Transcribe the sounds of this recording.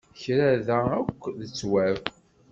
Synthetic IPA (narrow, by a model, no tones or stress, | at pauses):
çɾæðæəkʷːðət͡sːwæ